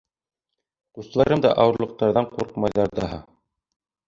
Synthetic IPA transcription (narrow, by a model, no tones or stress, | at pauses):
qust̪̆lˠɑɾɤmd̪ɑ̰ʔɑwɤ̆ɾlˠɤ̆q̚t̪ɑɾðɑɴquɾqmɑjðɑɾd̪ɑɦɑ̰